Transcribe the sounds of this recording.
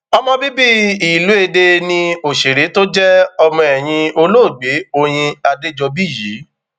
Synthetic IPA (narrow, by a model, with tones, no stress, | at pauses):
ɔ˧mɔ̃˧bi˦bi˦i˨lu˨˦e˧de˧nĩ˧o˨ʃe˨ɾe˨˦to˦d͡ʒɛ˦ɔ˧mɔ̃˧ɛ˨j̃ĩ˧o˧lo˦˨ɡ͡be˨˦o˧j̃ĩ˧a˧de˦d͡ʒɔ˧bi˦˨ji˨˦